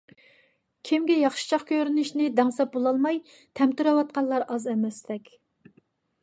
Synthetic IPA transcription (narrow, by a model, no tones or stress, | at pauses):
kʲʰimɡʲɛjɑχʃi̥t͡ʃʰɑχkʲʰøɾynɪʃnɪd̪ɛŋsɑp̚bolˠɑlˠmɑj | t̪ʰɛmt̪yɾɛwɑt̪̚qʰɑnlˠɑɾʔɑzɛmɛsd̪ɛkʲ